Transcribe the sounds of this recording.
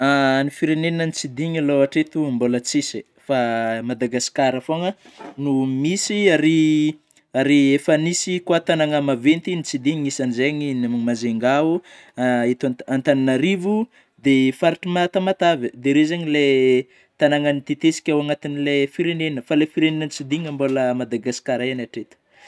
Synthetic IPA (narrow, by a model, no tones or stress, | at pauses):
anifiɾenenənit͡sid̪iŋaloaʈ͡ʂet̪uambolət͡sisi | famad̪aɡasi̥kaɾəfoŋə | numisiaɾi | aɾiefanisikwat̪anaŋəmavent̪init͡sid̪iɲiisanizeɲinammazeŋɡau | et̪aant̪aninaɾivu | d̪efaɾiʈ͡ʂimat̪amat̪avəd̪eɾezaɲile | t̪anaŋanit̪et̪esi̥kʲawaŋat̪inilefiɾenenəfalefiɾenenənit͡sid̪iŋamboləmad̪aɡasi̥kaɾaanaʈ͡ʂet̪ə̥